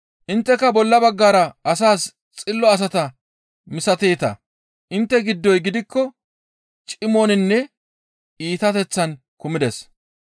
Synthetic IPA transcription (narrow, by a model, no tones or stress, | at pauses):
ʔɪnt̪ːɛkːɐbɔlːɐbɐɡːaːɾɐɐsaːs | t͡sʼɪlːɔɐs̬ɐt̪ɐ | mɪsɐt̪eːt̪ɐ̰ | ʔɪnt̪ːɛɡɪd̪ːɔjɡɪd̪ɪkːɔ | t͡ʃʼɪmoːnɪnːɛ | iːt̪ɐt̪ɛt͡sːɐn | kʊmɪd̪ɛs